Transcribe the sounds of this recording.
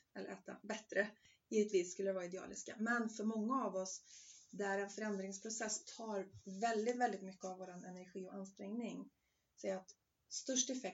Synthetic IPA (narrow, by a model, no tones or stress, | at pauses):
ɛlːə̰ɾɛːt̪a̰bɛt̪ɾə | jiːvət̪viːsːkɵlːəɾvɑːɾaɪd̪ɛɑ̰ːlɪ̰skamɛnfœɾmɔŋːaːvɔsd̪æɾɛnfœɾɛnd̪ɾɪŋspʰɾʊsɛsːt̪ʰɑːɾvɛld̪ɪt̪vɛld̪ɪt̪mʏkːəavoːɾanɛnæɾɧiːɔanːst̪ɾɛŋnɪŋ | sɛjɾat̪ | st̪ɵʂʈɛfɛk̚